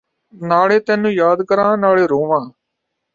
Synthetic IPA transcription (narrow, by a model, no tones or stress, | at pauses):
naːɭeːt̪ɛ̃ːnũːjaːd̪kəɾãːnaːɭeːɾoːʋãː